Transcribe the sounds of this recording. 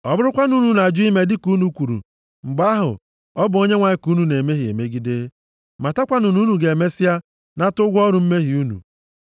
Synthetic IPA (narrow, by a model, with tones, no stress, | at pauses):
ɔ˨bʊ˦ɾʊ˦kʷa˦nu˦nu˨na˨a˨d͡ʒʊ˦i˦me˦dɪ˦ku˦nu˨kʷu˨ɾṵ˨ | ŋ͡m̩˨ɡ͡ba˦ɦʊ̰˨ | ɔ˦bʊ˨o˦ɲe˦ŋʷa˨ɲɪ˦ku˦nu˨ne˨me˦ɦi˨ḛ˨me˦ɡi˦de˦ | ma˨ta˦kʷa˦nʊ˨nu˦nu˨ɡe˨me˦sɪ˦a˦ | na˦tʊ˦ɡʷɔ˦ɾʊ˨m̩˦me˦ɦi˨u˦nṵ˨